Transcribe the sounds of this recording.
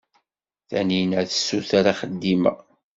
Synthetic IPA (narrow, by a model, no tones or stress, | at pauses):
θæ̰ninæðəsːuθaɾaχəd̪ːimæ̰